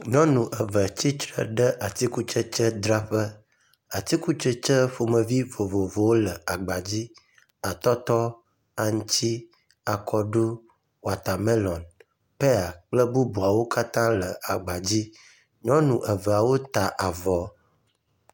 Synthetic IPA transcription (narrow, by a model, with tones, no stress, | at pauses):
ɲɔ̃˦nũ˨ʔə˨və˨t͡ɕi˦t̪ɾə̰˨ɖə˦ʔa˨t̪i˦ku˦t͡ʃə˦t͡ʃə˦d̪ɾa˦ɸə˦ | a˨t̪i˦ku˦t͡ʃə˦t͡ʃə˦ɸo˨mə̃˨vi˦vo˨vo˨vo˨wo˦lə˨a˨ɡ͡ba˨d͡ʑi˦ | a˨t̪ɔ˦t̪ɔ˦ | a˨ŋ̃˦t͡ɕi˦ | a˨kʰɔ˦ɖu˦ | wa˨t̪a˨mɛ˦lɔ˨n | pe˦a˨k͡plə˦bu˦bu˨a˨wo˦ka˦t̪ã˦lə˨a˨ɡ͡ba˨d͡ʑi˦ | ɲɔ̃˦nũ˨ʔə˨və˨a˨wo˦t̪a˨ʔa˨vɔ˨˦